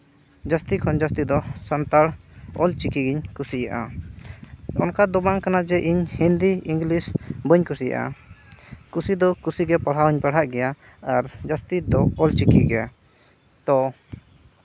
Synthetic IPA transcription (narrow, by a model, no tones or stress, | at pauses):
d͡ʒast̪ikʰɔnd͡ʒast̪id̪ɔsant̪aɽɔlt͡ʃikiɡiɲkusija̰ʔa̰ | ɔnkad̪ɔbaŋkanad͡ʒɛʔiɲhind̪iiŋɡlisbəɲkusija̰ʔa̰ | kusid̪ɔkusiɡɛpaɽ̤ɦawiɲpaɽ̤aʔɡɛja | aɾd͡ʒast̪id̪ɔɔlt͡ʃikiɡɛja̰ | t̪ɔ